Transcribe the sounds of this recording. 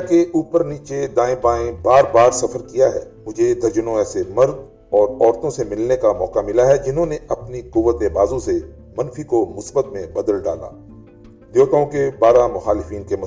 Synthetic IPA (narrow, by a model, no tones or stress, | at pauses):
keʔuːpəɾniːt͡ʃed̪ãːẽbãːẽbaːɾbaːɾsɐfəɾkijaɦɛ̰ː | mʊd͡ʒʱed̪ʱɐɾd͡ʒənõɛːsemɐɾd̪ | ɔːɾɔːɾt̪õsemɪlnekamɔ̰ːkamɪlaɦɛd͡ʒɪnɦõneɐpniqʊʋːət̪ebaːzõse | mɐ̃nfikomʊsbət̪mẽbɐd̪əlɖa̰ːla̰ː | d̪joːt̪õkebaːɾamʊxaːlɪfiːnkemʊ